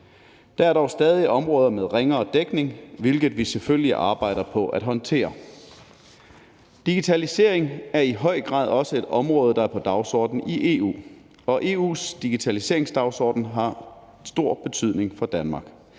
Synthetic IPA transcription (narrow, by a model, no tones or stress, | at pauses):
d̥ææɐɾ̥ɒʊsd̥ɛːð̞ˠiʔɒ̽mʁɔ̽ːð̞ˠɐmeð̞ˠʁeŋɐɒd̥eɡ̥ne̝ŋʋe̝lɡ̥ð̩ˠʋiseføljiʔɑ̈ːb̥ɑ̈ɪ̰ɾ̥ɐpʰɒ̽ʔæd̥ɦɒ̽nt͡sʰe̝̰ːɐ | d̥iɡ̥it͡sʰælise̝̰ɐeŋæɐiɦɒ̽ɪ̰ɡ̥ʁɑ̰̈ːðˠɒ̽səe̝d̥ɒ̽mʁɔ̽ːð̞̩ˠd̥ɑ̈æɐpʰɒ̽d̥ɑ̈ʊsɒ̰ːd̥n̩iʔe̝̰ṵː | ɒ̽ʔe̝ːṵːsd̥iɡ̥it͡sʰælise̝̰ɐe̝ŋsd̥ɑ̈ʊsɒ̰ːd̥n̩ɦɑ̈ | sd̥o̝ɐ̰b̥e̝t͡sʰyðˠne̝ŋfɒ̽d̥ænmɑ̈ːɡ̥